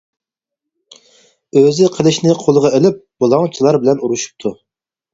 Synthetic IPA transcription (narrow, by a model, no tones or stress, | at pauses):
øzɪqʰəlˠɪʃnɪqʰolˠəʁɑelɪp̚b̥olˠɑŋt͡ʃʰilˠɑɾbɪlɛnuɾuʃu̥p̚t̪ʰu